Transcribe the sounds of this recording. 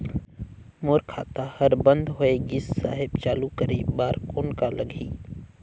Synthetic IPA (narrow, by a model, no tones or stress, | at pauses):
moːɾkʰa̰ːt̪ahɐɾbə̃nd̪ɦoeɡɪsːaːɦɪbt͡ʃaːlukəɾibaːɾkoːnkaləɡʱḭː